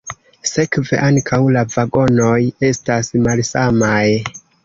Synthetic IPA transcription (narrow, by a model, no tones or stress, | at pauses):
se̞kve̞̰ʔaŋkʰawlavaɡo̞no̞je̞stasmalsamaj